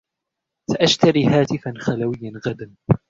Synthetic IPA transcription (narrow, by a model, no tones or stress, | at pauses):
saʔaʃt̪aɾiːɦaːt̪ɪfanxalawɪjːanɣad̪an